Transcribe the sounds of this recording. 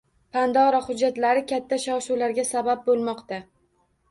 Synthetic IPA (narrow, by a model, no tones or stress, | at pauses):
pʰand̪ɒɾɒhʊd͡ʒːat̪laɾɪkʲʰat̪ʰːaʃɒwʃuwlaɾɡʲasabap̚bolˠmɒqt̪a